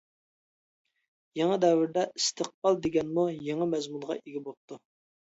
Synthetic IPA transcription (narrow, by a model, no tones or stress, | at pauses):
jɑŋɑd̪ɛwɪɾd̪ɛʔist̪ʰəq̚pɑlˠd̪eɡʲɛnmujɑŋɑmɛzmunʁɑ̰ʔeɡʲibop̚t̪ʰu